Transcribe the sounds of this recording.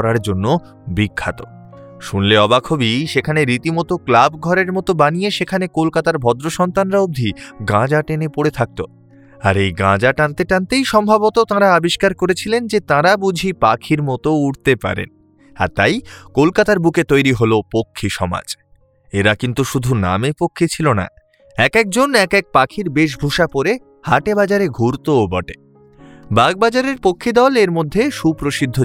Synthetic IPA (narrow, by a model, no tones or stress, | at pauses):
ɾaɾd͡ʑonːo | bikʰːat̪o | ʃunleɔbakʰobiʃekʰaneɾit̪imɔt̪oklabɡʱɔɾeɾmɔt̪obanieʃekʰanekolkat̪aɾbʱɔd̪ɾoʃɔnt̪anɾaub̚d̪ʱiɡãd͡ʑaʈenepoɽet̪ʰak̚t̪o | aɾejɡã̰d͡ʑaʈant̪eʈãnt̪ejʃɔmbʱabot̪ot̪ãɾaabiʃkaɾkoɾet͡ɕʰilend͡ʑet̪ãɾabud͡ʑʱipakʰiɾmɔt̪ouɽt̪epa̰ɾḛn | a̰ɾt̪ajkolkat̪aɾbuket̪ojɾiɦolopokʰːiʃɔma̰d͡ʑ | eɾakint̪uʃud̪ʱuna̰mepokʰːet͡ɕʰilona̰ | ɛkɛk̚d͡ʑonɛkɛk̚pakʰiɾbeʃ̬bʱuʃapoɾe | haʈebad͡ʑaɾeɡʱuɾt̪oːbɔʈe | baɡ̚bad͡ʑaɾeɾpokʰːid̪ɔleɾmod̪ʱːeʃupɾoʃid̪ʱːo